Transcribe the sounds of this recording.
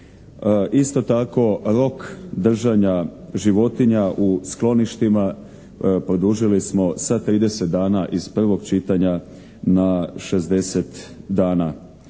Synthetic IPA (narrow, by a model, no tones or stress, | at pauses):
ʔist̪o̞t̪ako̞ɾo̞kd̪r̩ʒaɲaʒiʋo̞t̪iɲaʔusklo̞niʃt̪ima | pɾod̪uʒilismo̞sat̪ɾiːd̪ese̞t̪̚d̪aːnaʔiz̥pr̩ʋo̞ɡt͡ʃit̪aɲa | naʃe̞zd̪e̞set̪d̪aːna